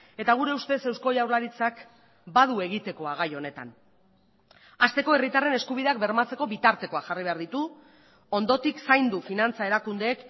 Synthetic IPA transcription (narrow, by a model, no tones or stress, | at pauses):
e̞t̪aɣuɾe̞ust̪e̞se̞wsko̞jawɾlaɾit͡sak | bað̞ue̞ɣ̞it̪e̞ko̞aɣ̞ajo̞ne̞t̪a̰n | ast̪e̞ko̞e̞rit̪are̞ne̞skuβ̞iðe̞akbe̞ɾmat͡se̞ko̞βit̪aɾt̪e̞ko̞axariβ̞e̞aɾðit̪u | o̞nd̪o̞t̪iksajnd̪ufinant͡sae̞ɾakund̪e̞ːk